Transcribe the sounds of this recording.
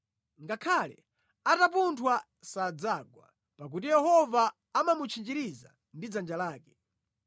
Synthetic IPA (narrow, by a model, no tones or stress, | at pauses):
ŋɡakʰalɛ̰ | atap̬untʰwa | sad͡zaɡwa̰ | pak̬ut̬ijɛɦɔvaː | mamut͡ʃʰind͡ʒiɾiza̰ | ndid͡zand͡ʒalaːkɛ̥